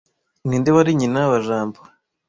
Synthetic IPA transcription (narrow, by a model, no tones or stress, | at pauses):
niːndeβaɾiɲinaβaʒaːmbo